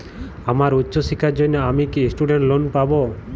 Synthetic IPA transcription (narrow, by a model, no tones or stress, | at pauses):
amaɾutːʃɔsikʰaɾd͡ʒɔjnaamikisʈuɖeɳʈlonpabɔ